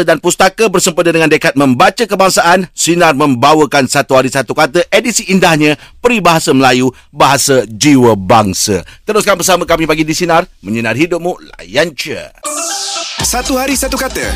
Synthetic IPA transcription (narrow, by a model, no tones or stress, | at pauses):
ədanpust̪akabərsəmpədədəŋãndəkat̪̚mə̃mbat͡ʃəkəbaŋsaʔansinarmə̃mbawəkansat̪uɦaɾisat̪ukat̪əʔedisiʔːndahɲãpəɾibaɦasaməlaju | baɦasad͡ʒiwəbaŋsə̰t̪əɾʊskanbərsamãkamĩpaɡidisinãrmə̃ɲənãrɦidʊp̚mũla̰jant͡ʃə̰ | sat̪uɦaɾisat̪ukat̪ə